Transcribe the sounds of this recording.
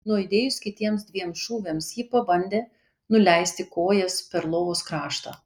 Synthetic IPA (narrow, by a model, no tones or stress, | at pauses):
nuɔɪd̪ʲeːjʊskʲɪt̪ʲiɛmsd̪ʲʋʲiɛmsʃuːʋʲeːmsjiːpɐbɐnʲd̪ʲeː | nʊlʲɛɪsʲt̪ʲɪkoːjɛspʲɛɾlˠoːʋoːskɾɑːʃt̪ɐ̰ː